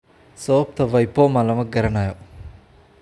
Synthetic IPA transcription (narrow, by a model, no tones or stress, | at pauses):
sɔːp̚t̪ʰɐʋɐjpːoːmɐlɐmɐɡɐɾɐnajo